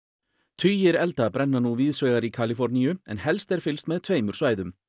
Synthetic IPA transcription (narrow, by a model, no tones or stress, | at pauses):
t̪ʰyːjɪɾɛlt̪abɾɛnːanuːviːðsveːɣaɾikʰalɪfɔɾniʏɛnhɛlst̪ɛɾfɪlst̪mɛðt̪ʰveːjmʏɾ̥svaːjðʏm